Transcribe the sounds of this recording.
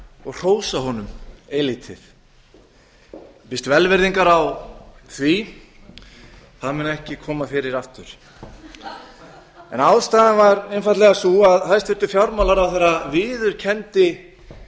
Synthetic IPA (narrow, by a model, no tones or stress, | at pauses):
ɔɣr̥oːwsahɔnʏmeliːt̪ʰɪθ | pɪst̪vɛlvɛɾðiŋkaɾawθvi | θaðmɛnɛhcɪkʰɔːmafɪɾɪɾaft̪ʏɾ̥ | ɛ̰nawðst̪aːðanvaɾenfajt̪lɛɣasuaðɦajst̪vɪɾt̪ʏfjawɾmawlaɾawθɛɾːavɪːðʏɾ̥cʰɛnt̪ɪ